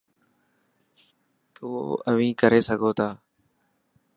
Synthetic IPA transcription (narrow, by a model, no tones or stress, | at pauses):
t̪oːəʋĩːkəɾeːsəɡʱoːt̪ʰaː